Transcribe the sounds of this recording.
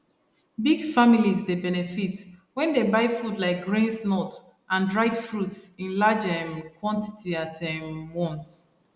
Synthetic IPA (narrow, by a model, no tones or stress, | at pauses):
biɡfamilizdebɛnɛfitwɛ̃ndebaɪfudlaɪk̚ɡɹĩnsnɔt | ʔãndɹaɪdfɹutsĩnlad͡ʒɛmkwɔ̃nti̥tʰiatʰɛmwɔ̃ns